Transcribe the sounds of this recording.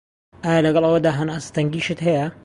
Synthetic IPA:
ʔaːjaːlɐɡɐlˠʔɐwɐd̪aːɦɐnʔast̪ɐŋɡiːʃɨt̪ɦɐjɐ

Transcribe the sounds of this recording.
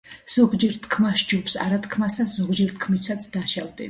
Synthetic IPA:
z̥ɔɡd͡ʒɛɾt̪ʰkʰmaʃd͡ʒupsa̰ɾat̪ʰkʰmasaszɔɡd͡ʒɛɾt̪ʰkʰmisʰat̪sʰd̪aʃavd̪ḭ

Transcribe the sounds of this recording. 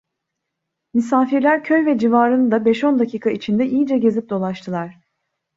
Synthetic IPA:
mysaːfiɾlʲæɾcʰø̞jvɛd͡ʒivaːɾɯnɯd̪abɛʃo̞nd̪acʰiːkʰait͡ʃʰind̪ɛʔijid͡ʒɛɟe̞zip̚d̪o̞lˠaʃt̪ʰɯlˠaɾ̥

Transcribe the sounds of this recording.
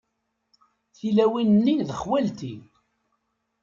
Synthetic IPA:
θilæwinnːiðəχwælt̪i

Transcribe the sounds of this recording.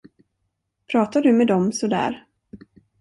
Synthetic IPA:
pʰɾɑːt̪ad̪ɵmɛd̪ɔmsɔd̪æ̰ːɾ

